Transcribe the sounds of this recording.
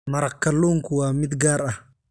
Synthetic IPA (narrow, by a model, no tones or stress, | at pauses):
mɐɾɐkːɐlːuːŋkʊwaːmɪd̪ɡaːɾʔɐh